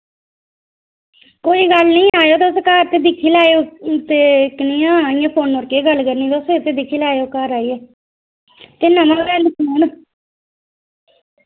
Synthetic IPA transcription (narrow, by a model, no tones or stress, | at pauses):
koːiːɡəlnĩːaːjoːt̪eskaːɾt̪eːd̪ɪkʰːiːlaːeot̪eːknĩːãːiãːpʰoːnoɾkeːɡəlkəɾniːt̪oset̪eːd̪ɪkʰiːlaːeoːkaːɾaːiːɛː | t̪eːnãmãːʋɛːnəkʰːn